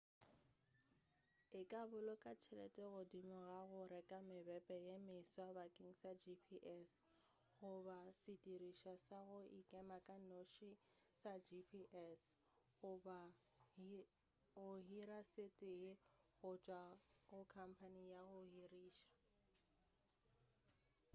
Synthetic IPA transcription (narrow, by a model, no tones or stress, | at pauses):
ɪkʼabʊlɔkʼat͡ʃʰɛlɛ̰tʼɛɣʊdimʊɣaɣʊɾɛkʼamɪbɛpʼɛjemɪswabakʼiŋ̩sad͡ʒipʰiʔɛs | ɣʊbasɪtʼiriʃasaɣʊikʼɛmakʼanoʃi | sad͡ʒipʰiʔɛs | ɣʊba | ɣʊɦiɾasɪtʼɪɣʊt͡ʃʼwaɣʊkʰam̩pʰanijaɣʊhiriːʃḁ